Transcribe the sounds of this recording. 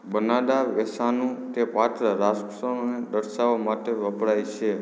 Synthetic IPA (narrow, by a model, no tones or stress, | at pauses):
bənaɖaʋɛsanũt̪epat̪ɾəɾasksond̪əɾʃaʋmaʈeʋəpɽajt͡ʃʰe